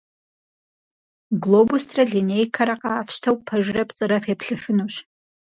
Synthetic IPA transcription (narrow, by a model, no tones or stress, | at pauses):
ɡlˠoːbustʰrɐɮinejkʰɐɾɐqɑːfɕtʰɐwpʰɐʒrɐpt͡sʼɨɾɐfeːpʰɬɨfɨnuɕ